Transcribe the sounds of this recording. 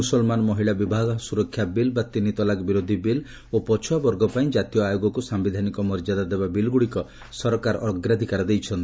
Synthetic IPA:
usɔlmanɔmɔɦiɭabibʱaɡɔsuɾɔkʰːjabilbat̪init̪ɔlakbiɾod̪ʱibil | opɔt͡ʃʰɔabɔɾɡɔpaĩd͡ʒat̪ijɔajoɡɔkusambid̪ʱanikɔmɔɾd͡ʒad̪ad̪ebabilɡuɽikɔ | sɔɾɔkaɾɔʔɔɡɾad̪ʱikaɾɔd̪ejt͡ʃʰɔnt̪i̥

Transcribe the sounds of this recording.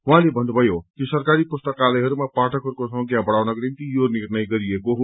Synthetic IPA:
wɦãlebʱʌnd̪bʱʌjot̪josʌrkaɾipust̪ʌkalʌjɦʌɾumapaʈʰʌkɦʌɾukosʌʌɡjabʌɽawnʌɡʌɾimt̪ijonirnʌjɡʌɾiekoɦ

